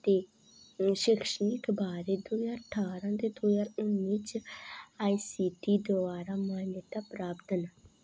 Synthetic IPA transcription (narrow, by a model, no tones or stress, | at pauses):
t̪eː | ʃɪkʰʃənikbaːɾeːd̪uːjaːəʈʰːaːɾãːd̪eːd̪oːjaːɾʊnːit͡ʃ | aːiːsiːʈiːd̪ʊaːɾaːmaːnət̪aːpɾaːpt̪əna